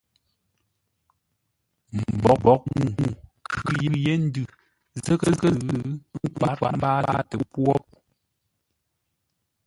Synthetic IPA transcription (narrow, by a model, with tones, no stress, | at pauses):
m̩˨bɔ˨k̚bɔ˨˦k̚mu˨ŋu˨kʰɯ˦ji˦je˦n̩˦dɨ˦˨ | zə˦kə˦kə˦˨˦ka˨˦k͡pa̰˨ba˦a˦tə˨˦pɔ˦p̚